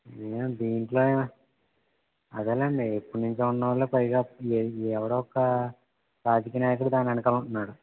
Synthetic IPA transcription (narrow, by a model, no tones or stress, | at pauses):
eːmd̪iːɳʈlo̞ːeːa | ɐd̪eːlɐɳɖiepːuɽunuɲt͡ʃeːuɳɖɐ̃ʋɐlːoːpɐjɡaːɛʋɐɽoːɔkːɐ | ɾaːd͡ʒɐkiːjɐnaːjɐk̬uɽud̪aːnɐnukaːluɳʈunːaːɽu